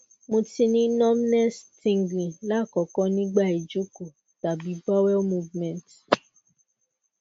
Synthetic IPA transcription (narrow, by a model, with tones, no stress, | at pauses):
mõ˧ti˧nĩ˦nɔ̃˦mi˦nɛ˦stĩ˧ŋɡlĩ˨la˦˨kɔ˨˦kɔ̃˦nĩ˦ɡ͡ba˦˨e˨d͡ʒo˨˦ko˨ | ta˨bi˨˦ba˦wɛ˦lmu˧vmɛ̃˨nt